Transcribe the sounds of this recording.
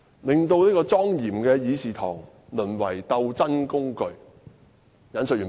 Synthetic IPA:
lɪ˨ŋt̪o˧wliː˥kɔː˧t͡sɔː˥ŋjiː˨˩mkɛː˧jiː˨˥siː˨t̪ʰɔ̰ː˨˩ŋ | lɵ˨˩nwɐ˨˩jt̪ɐ˧wt͡sɐ˥nkʊ˥ŋkɵ˧ɥ | jɐ˨˥nsɵ˨jyː˨˩

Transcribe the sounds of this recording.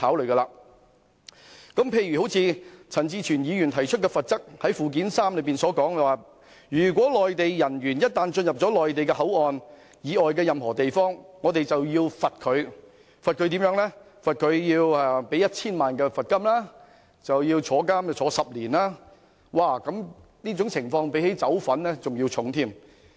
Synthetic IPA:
t̪ʰaː˨˥wlɵ˨˩ɥɡɛ˧laː˧ | kɐ˨˥mpʰe˧jɥyː˨˩ho˨˥wt͡sʰiː˧t͡sʰɐ˨˩nt͡siː˧t͡ʃʰyː˨˩njiː˨˧jyː˨˩nt̪ʰɐ˨˩jt͡ʃʰɵ˥t̚kɛː˧fɐ˨t̚t͡sɐ˥k̚hɐ˨˥jfuː˨k̬iː˨˥nsaː˥mlɵ˨˧˥piː˨˩nsɔː˨˥kɔː˨˥ŋ˨waː˨˩ | jyː˨˩k̬ʷɔː˨˥lɔː˨jt̪e˨jjɐ˨˩nɥyː˨˩njɐ˥t̚t̪aː˨nt͡sɵ˧njɐ˨p̚t͡sɔː˨˥lɔː˨jt̪e˨jkɛː˧hɐ˨˥wɔː˨n | jiː˨˧ʔɔː˨jkɛː˧jɐ˨mɦɔː˨˩t̪e˨jfɔː˥ŋːɔː˨˧t̪e˨jt͡sɐ˨wjiː˧wfɐ˨t̚kʰɵ˨˧ɥ | fɐ˨t̚kʰɵ˨˧ɥt̪̬i˨˥jœː˨˥ŋlɛ˥ | fɐ˨t̚kʰɵ˨˧ɥjiː˧wɛ˧pe˨˥jɐ˥t̚t͡sʰiː˥nmaː˨nkɛː˧fɐ˨t̚kɐ˥mlaː˥ | t͡sɐ˨wjiː˧wt͡sʰɔː˨˥kaː˥m˨˩t͡ʃʰɔː˨˧˥sɐ˨p̚liː˨˩nlaː˥ | waː˧˩kɐ˨˥m | niː˥t͡sʊ˨˥ŋt͡sʰɪ˨˩ŋfɔː˧ŋpe˨˥jhe˨˥jt͡sɐ˨˥wfɐ˨˥nlɛ˥t͡sʊ˨ŋjiː˧wt͡sʰʊ˨˥ŋt̪ʰiː˥m

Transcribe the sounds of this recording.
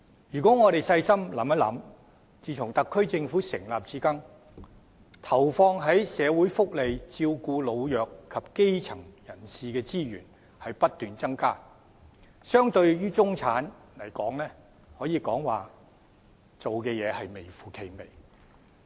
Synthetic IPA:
jyː˨˩kɔː˨˥ŋɔː˨˧ɾe˨jsɐ˧jsɐ˥mlɐ̰˨˥mɐ˥t̚lɐ̰˨˥m | t͡siː˨˧t͡sʰʊ˨˩ŋt̪ɐ˨kʰːɵ˥ɥt͡sɪ˧ŋfuː˨˥sɪ̰˨˩ŋlaː˨p̚t͡siː˨˥kɐ˥ŋ | t̪ʰɐ˨˩wfɔː˧ŋɦɐ˨˥jsɛː˨˧wuː˨˥jfʊ˥k̚le˨jt͡siː˧wkuː˧lo˨˧wjœː˨kʰːɐ˨p̚ke˥jt͡sʰɐ˨˩ŋjɐ˨˩nsiː˨kɛː˧t͡siː˥jyː˨˩n | hɐ˨jpɐ˥t̚t̪yː˨nt͡sɐ˥ŋkaː˥ | sœː˥ŋt̪ɵ˧ɥjyː˥t͡sʊ˥ŋt͡sʰaː˨˥n | lɐ˨˩jkɔː˨˥ŋlɛː˥ | hɔː˨˥jiː˨˧kɔː˨˥ŋwaː˨˩ | t͡so˨wkɛː˧jɛː˨˧hɐ˨jme˨˩jfuː˨kʰe˨˧jme˨˩j

